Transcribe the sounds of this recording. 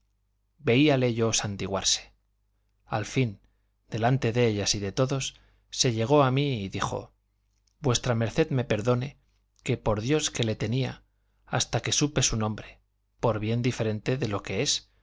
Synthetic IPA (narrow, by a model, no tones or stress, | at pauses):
be̞iale̞ʝo̞sant̪iɣwa̰ɾse̥ | a̰lfin | d̪e̞lant̪e̞ðeeʎasiðe̞t̪o̞ðo̞sː | e̞ʎe̞ɣ̞o̞amiːðixo̞̰ | bwe̞st̪ɾame̞ɾθe̞ðme̞pe̞ɾðo̞ne̞ | ke̞po̞ɾðjo̞ske̞le̞t̪e̞nia̰ | a̰st̪ake̞supe̞sunõ̞mbɾe | po̞ɾβje̞nd̪ife̞ɾe̞nt̪e̞ðe̞lo̞ke̞e̞s